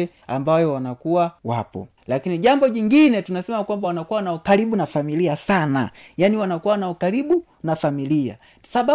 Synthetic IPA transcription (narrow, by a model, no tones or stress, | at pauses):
ɛ | a̰mbajɔwanakuwawapɔ̰ | lakiniʄambɔʄiŋɡinɛtunasɛmakwambawanakuwanaukaɾiɓunafamiliasana̰janiwanakuwanaukaɾiɓu | nafamilia̰̥ | saɓa